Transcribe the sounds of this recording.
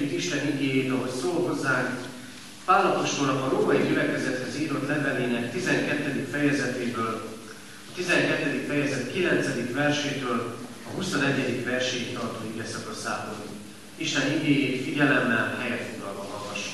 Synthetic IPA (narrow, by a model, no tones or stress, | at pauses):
it̪iʃt̪ɛniɡeːjeːt̪ɒɦo̞csoːlɦo̞zːaːŋk | vaːlːɒpoʃk̪ornɒkɒɾoːmɒjiɟylɛkɛzɛt̪hɛziːɾo̞t̪lɛvɛleːnɛkt̪izɛŋkɛt̪ːɛd̪ikfɛjɛzɛt̪eːbøːl | ɒt̪izɛŋkɛt̪ːɛd̪ikfɛjɛzɛt̪kilɛnt̪sɛd̪ikʋɛrʃeːt̪øːl | ɒɦuso̞nɛɟːɛd̪ikʋɛrʃeːt̪t̪ɒrt̪oːiɡɛsɒkosaːbon | iʃt̪ɛniɡeːjeːt̪fiɟɛlɛmːɛlhɛjɛt̪foɡlɒlvɒɦɒvɒʃ